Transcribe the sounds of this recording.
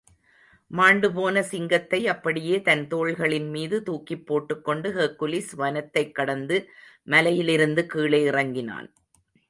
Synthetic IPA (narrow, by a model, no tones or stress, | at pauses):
maːɳɖɯpoːnɐsɪŋɡɐt̪ːɐɪɐpːɐɽɪjeːt̪ɐnt̪oːɻɣɐɭɪnmiːðɯt̪uːkːɪpːoːʈːɯkːɔɳɖɯɦeːkːɯlisʋɐnɐt̪ːɐɪkːɐɽɐnd̪ɯ | mɐlɐjɪlɪɾɯnd̪ɯkiːɭeːɪrɐŋɡɪna̰ːn